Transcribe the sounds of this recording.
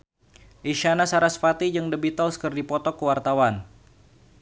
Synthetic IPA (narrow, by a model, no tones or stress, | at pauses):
ʔiʃanasaɾasfat̪id͡ʒɨŋdəbit̪ɔlskərdipɔt̪ɔkːəwart̪awan